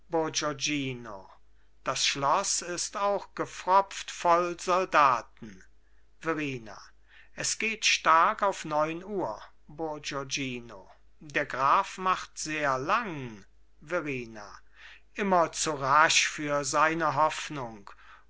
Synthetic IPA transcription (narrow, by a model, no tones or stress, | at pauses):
b̥od͡ʒod͡ʒiːno | d̥asʃlɔsɪstaʊxɡ̥əfʁɔp͡ftfɔlzɔldaːtn̩ | vɛʁiːna̰ | ʔɛsɡ̥eːtʃtaɐkaʊfnɔʏnuːɐ | bod͡ʒod͡ʒiːno̰ | deːɐɡʁaːfmaχtz̥eːɐlaŋ | vɛʁiːna̰ | ʔɪmɐt͡suʁaʃfyːɐzaɪnəɦɔfnʊŋk